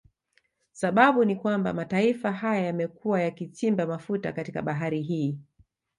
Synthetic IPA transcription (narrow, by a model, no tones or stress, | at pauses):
saɓaɓunikwamba̰mataifaɦajajamɛkuwajakit͡ʃimbamafuta̰katika̰ɓaɦaɾiɦiː